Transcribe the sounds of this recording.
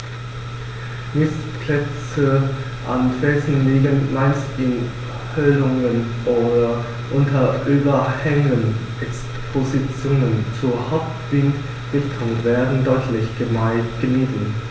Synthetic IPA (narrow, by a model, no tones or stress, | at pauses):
mɪspʰlɛt͡sə | ʔanfɛːsn̩liːɡənmaɪnstʔɪn | hœlʊŋən | ʔoːdɐ | ʔʊntʰɐʔyːbɐhɛŋənʔɛks | pʰozit͡sjoːnənt͡suɐhaʊp̚tv̥ɪnt | v̥ɪltʰʊŋvɛːɐdn̩dɔʏtʰlɪçɡ̥əmaɪtɡ̥əniːtn̩